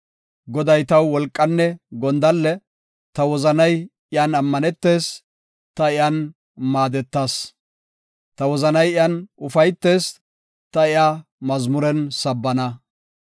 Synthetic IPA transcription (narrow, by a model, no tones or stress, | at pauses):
ɡɔd̪ɐjt̪ɐwːɔlkʼːɐnːɛɡɔnd̪ɐlːɛ | t̪ɐwɔzɐnɐj | ɪjanɐmːɐnɛt̪ːe̞ːs | t̪ɐɪjan | maːd̪ɛt̪ːaːs | t̪ɐwɔzɐnɐjɪjɐnʔʊfɐjt̪ːe̞ːs | t̪ɐɪjaː | mɐzmʊɾɛnsɐbːɐnɐ